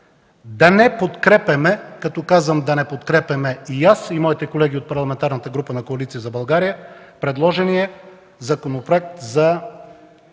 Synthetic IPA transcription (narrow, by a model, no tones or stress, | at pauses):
d̪ɐnɛpot̪kɾɛpɛmɛkɐt̪ɔkazvəmd̪ɐnɛpot̪kɾɛpɛmɛijasimɔit̪ɛkolɛɡʲiot̪pɐɾlˠɐmɛnt̪aɾnət̪əɡɾupənɐkoɐlit̪sijəzɐbɐlˠɡaɾijəpɾɛd̪lˠɔʒɛniɛ | zɐkonopɾoɛk̚t̪zɐ